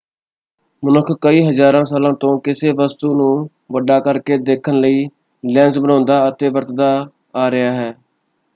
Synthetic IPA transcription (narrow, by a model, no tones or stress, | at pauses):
mənʊkʰkəiːɦəzaːɾãːsaːlãːt̪õːkɪseːʋəst̪uːnũː | ʋəɖaːkəɾkeːd̪eːkʰənləiː | lɛ̃ːnzbənãːnd̪aːət̪eːʋəɾt̪d̪aː | aːɾɪjaːɦɛː